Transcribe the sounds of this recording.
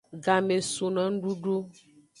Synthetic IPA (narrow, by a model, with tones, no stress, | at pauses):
ɡa˨me˨su˨nã˦n̩˦ɖu˦ɖu˦